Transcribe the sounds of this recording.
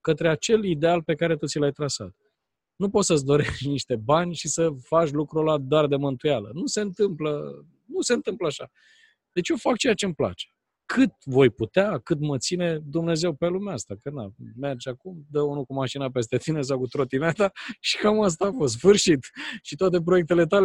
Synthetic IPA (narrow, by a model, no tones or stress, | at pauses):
kət̪ɾe̞at͡ʃe̞lid̪e̞alpe̞kaɾe̞t̪ut̪silajt̪ɾasa̰t̪ | nupo̞t̪səs̬d̪o̞ɾeʃtniʃt̪e̞banʲʃisəfaʃ̬ʲlukɾulad̪oard̪e̞mɨnt̪ujalənuse̞nt̪ɨmplə | nuse̞nt̪ɨmpləaʃa | d̪e̞t͡ʃjofak̚t͡ʃejat͡ʃempla̰t͡ʃe̥ | kʰɨt̪̚vo̞jput̪eakɨt̪mət̪sine̞d̪umne̞ze̞wpe̞lumeast̪akəname̞rd͡ʒakumd̪əunukumaʃinape̞s̬t̪e̞t̪ine̞s̬awkut̪ɾo̞t̪inet̪aʃi̥kamas̬t̪aːfost̪sfɨrʃit̪ʃit̪oat̪e̞pɾo̞jek̚t̪e̞le̞t̪ale